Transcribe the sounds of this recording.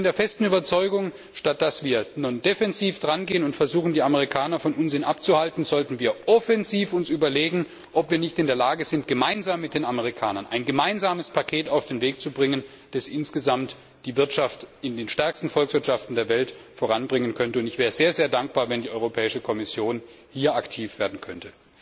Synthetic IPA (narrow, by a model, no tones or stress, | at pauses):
ɪndeːɐfɛstn̩yːbɐt͡sɔʏɡʊŋ | ʃtat̚d̥asv̥iːɐnundefɛnziːfd̥ʁanɡeːənʊntfɛɐzuːxn̩diːaməʁ̞ikʰaːnɐfɔnʔʊnzɪnʔap̚t͡suhaltn̩zɔltn̩viːɐʔɔfɛnziːfʊnsyːbɐleːɡŋ̩ | ʔɔpv̥iːɐnɪçtɪndeːɐlaːɡəzɪntɡ̥əmaɪnzaːmːɪt̚d̥eːnaməʁ̞ikʰaːnɐnʔa̰ɪnɡəmaɪnzaːməspʰakʰeːtaʊfd̥eːnveːk̚t͡subʁɪŋən | d̥asʔɪnsɡ̥əzamt | d̥iːvɪɐtʃaftɪndeːnʃtɛɐkstn̩fɔlksv̥ɪɐtʃaftn̩deːɐvɛltfoːʁanbʁɪŋənkʰœntəʊntɪçvɛːʁəzeːɐzeːɐdaŋk̚b̥aːɐvɛndiːʔɔʏʁopʰɛːɪʃəkʰɔmɪsjoːn | hiːɐaktʰiːfv̥eːɐdn̩kʰœntə